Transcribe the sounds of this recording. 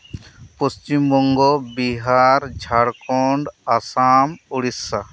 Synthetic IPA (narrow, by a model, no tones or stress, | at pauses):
post͡ʃimbɔŋɡɔbiɦaɾd͡ʒʱaɽkɔɳɖasamuɽisːa